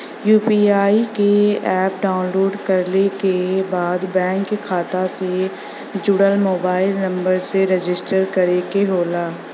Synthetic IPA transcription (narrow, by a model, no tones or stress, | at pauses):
juːpiːaːikeɛːpɖaːʊnloːɖkɐɾlekebaːd̪bɛ̃ːŋkːekʰaːt̪ase | d͡ʒʊɽəlmoːbaːɪlnɐ̃mbəɾseɾed͡ʒɪsʈəɾkɐɾekeɦoːlaː